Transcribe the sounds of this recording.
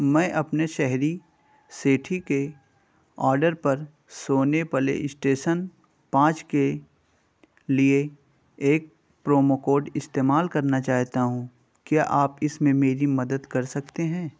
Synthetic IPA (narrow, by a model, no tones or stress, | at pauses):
mɛ̃ːʔɐpneʃɛɦɾi | seːʈʰike | ɔːɾɖəɾpɐɾ | soːnepɐlḛʔɪsʈeːʃən | pãːt͡ʃke | lie | eːk̚ | pɾoːmokoːɖɪst̪eːmaːlkɐɾnat͡ʃaːɦt̪aɦũ | kjaːʔaːpɪsmẽmeːɾimɐd̪əd̪kɐɾsɐkt̪eɦɛ̃ː